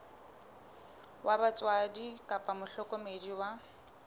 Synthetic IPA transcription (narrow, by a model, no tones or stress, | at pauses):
wʔabat͡sʼwadikʼapʼamʊɬɔkʼɔmediwa